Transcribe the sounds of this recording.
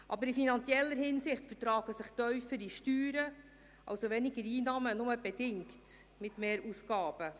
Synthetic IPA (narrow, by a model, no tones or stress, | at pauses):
ʔɑ̰bəɾɪfinɑnt͡sjɛlːəɾhɪnsɪχtfərtɾɑːɡ̥əsɪχtœʏfəɾiʃtyːɾə | ʔɑ̰wsoʋɛnɪɡəɾiːnɑːmənʊməb̥ɛdɪŋkt | mɪtmeːɾusɡɑːb̥ə